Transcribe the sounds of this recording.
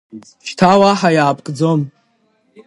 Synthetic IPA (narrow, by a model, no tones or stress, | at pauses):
ʃtʰawaħajaːpʼkʼd͡zom